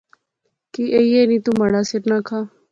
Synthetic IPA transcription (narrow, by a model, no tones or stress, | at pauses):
kiːʔeijeːnĩːt̪uːməɽaːsɪʈnãːkʰaː